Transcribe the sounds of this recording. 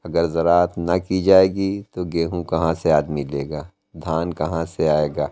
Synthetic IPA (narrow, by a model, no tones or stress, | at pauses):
ɐɡəɾzɐɾaːət̪nɐkid͡ʒaːeːɡit̪oɡeːɦũkɐɦãseaːd̪mileːɡaː | d̪ʱaːnkɐɦãseaːeːɡaː